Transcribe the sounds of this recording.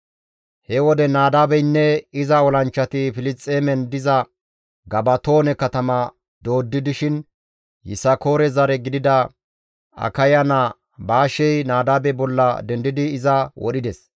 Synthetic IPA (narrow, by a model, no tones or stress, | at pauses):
hɛwɔd̪ɛnaːd̪aːbɛjnːɛɪzɐɔlɐnt͡ʃːɐt̪ɪfɪlɪt͡sʼːeːmɛnd̪ɪzɐ | ɡɐbɐt̪o̞ːnɛkɐt̪ɐmɐ | d̪̥o̞ːd̪ːɪd̪ɪʃɪn | jɪ̰sɐko̞ːɾɛzɐɾɛɡɪd̪ɪd̪ɐ | ɐ̰kɐjɐnɐ | baːʃɛjnaːd̪aːbɛbɔlːɐd̪ɛnd̪ɪd̪ɪːzɐwʔɔ̰ɗɪd̪ɛs